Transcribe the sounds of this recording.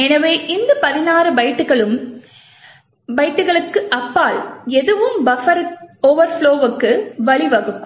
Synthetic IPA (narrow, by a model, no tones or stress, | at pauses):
ɛnɐʋeːʔɪnd̪ɐpɐðɪnaːɾɯbɐɪʈːɯɣɐɭɯm | bɐɪʈːɯɣɐɭɯkːɯʔɐpːaːlɛðɯʋɯmʋɐfɐɾoːʋɐɾfɭoːʋɯkːɯʋɐɭɪʋɐɣɯkː